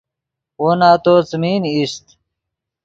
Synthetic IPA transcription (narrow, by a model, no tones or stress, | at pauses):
onaːt̪oːt͡smiːnist̪